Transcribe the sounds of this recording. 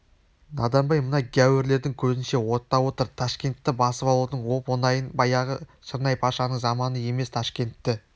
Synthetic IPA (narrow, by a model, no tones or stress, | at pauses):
nɑ̰d̪ɑnbɑjmənɑɡʲæwɪɾle̞ɾd̪ɪŋkʲʰɵzɪnʃe̞wo̞t̪ːɑwo̞t̪əɾt̪ʰɑʃkʲe̞nt̪ːɪbɑsəpɑlˠut̪ənwo̞ponɑjənbɑjɑʁəʃəɾnɑjpʰɑʃɑnəɴzɑmɑnəje̞me̞st̪ʰɑʃkʲe̞nt̪ːɪ